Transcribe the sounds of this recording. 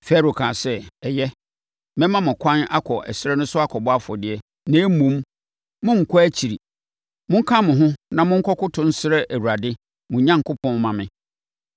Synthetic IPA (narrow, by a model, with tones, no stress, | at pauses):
fɛ˦ɾo˨kʰãː˨sɛ˦ɛ˨jɛ˦ | mɛ̃˦mã˦mʊ̃˨kʷʰã˦na˦kʰɔ˨ʔɛ̰˨sɪ˦ɾɛ˦nʊ̃˦sʊ˦a˦kʰɔ˨bɔ˦a˦fɔ˨dɪ˨ɛ˦ | nɛ̃˨˦mũ˨˦m | mʊ̃˦ŋ̩˨kʰɔ˦æ˦t͡ɕʰi˨ɾi˨ | mʊ̃˦ŋ̩˦kʰã˦mʊ̃˨ɦʊ̃˦nã˨mʊ̃˦ŋ̩˦kʰɔ˦kʊ˦tʰʊ̃˦n̩˦sɪ˦ɾɛ˦ʔæ˨wu˨ɾa˨dɪ˦ | mʊ̃˨ɲã˦ŋ˨kʰʊ˦pʰɔ̃˦mã˨mɪ̰̃˨